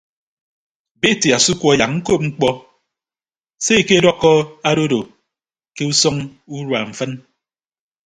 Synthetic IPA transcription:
be˦˨ti˨a˨su˦kʷɔ˨ja˨ŋŋ̩˦ko˦p̚ŋ͡m̩˦k͡pɔ˦ | se˦e˨ke˦dɔ˦kːɔ˦a˦ɾo˦do˨ | ke˦u˦sɔ˦ŋu˦ɾwa˨ɱ̩˨fɨ˦n

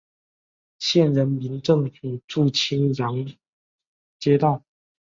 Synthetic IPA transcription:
ɕjɛ˥˩nɻə˧˥nmi˧˥nʈ͡ʂɤ˥˧ŋi˧˩ʈ͡ʂu˥˩t͡ɕʰi˥ŋjɑ˧˥ŋ | t͡ɕjɛ˥t̪ɑ˥˩ʊ

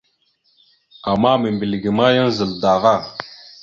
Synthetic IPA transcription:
a˨ma˦me˨mbi˨lɡi˨ma˦jə˦nzə˨lda˨va˦˨

